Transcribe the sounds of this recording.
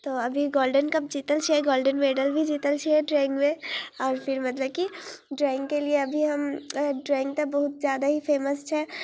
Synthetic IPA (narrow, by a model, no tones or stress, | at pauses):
t̪oːɐbʱiɡoːlɖənkɐp̚d͡ʒiːt̪əlt͡ʃʰiɦɛɡoːlɖənmeːɖəlbʱid͡ʒiːt̪əlt͡ʃʰiɦɛɖɾɛːɪ̃ŋɡmẽɔːɾfɪɾmɐt̪ləb̚kiɖɾaːɪ̃ŋɡkelieɐbʱiɦɐmɖɾɛ̃ːɪ̃ŋɡ̚t̪abɐɦʊt̪zjaːd̪aɦifeːməst͡ʃʰɛː